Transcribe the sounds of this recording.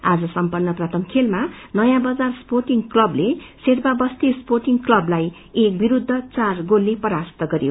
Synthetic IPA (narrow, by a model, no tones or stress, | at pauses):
ad͡zʌsʌmpʌrnʌprat̪ʌmkʰelmanʌjãbʌd͡zarsporʈiŋklʌbleserbabʌst̪isporʈiŋklʌblaj | ek̚biɾud̪ʱːʌt͡sarɡolːepʌɾast̪ʌɡʌɾjo̰